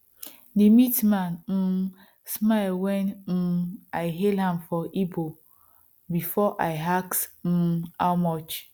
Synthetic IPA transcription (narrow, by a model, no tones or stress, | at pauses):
nimitmann̩ | smaɪlwɛnm̩aɪɦelɦãmfɔʔibo | bifɔʔaɪɦaksm̩a̰wmɔt͡ʃ